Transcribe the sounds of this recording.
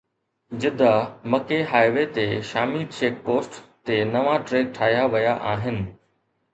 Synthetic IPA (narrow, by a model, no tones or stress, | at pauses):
d͡ʑɪd̪ʱamɐkeɦaːɪʋeːt̪eʃaːmiːd̪ʃeːk̚poːsʈt̪enɐʋaʈɾeːɡ̚ʈʰaːɦjaʋɐjaʔaːɦɪnɪ̆